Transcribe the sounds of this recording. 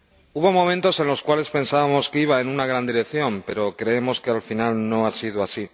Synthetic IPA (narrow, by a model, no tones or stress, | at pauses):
uβo̞mõ̞mẽnt̪o̞se̞nlo̞skwale̞spẽ̞nsaβamo̞skiβ̞aenunaɣ̞ɾand̪iɾe̞kθjo̞mpe̞ɾo̞kɾe̞emo̞skealfinalno̞asiðoasi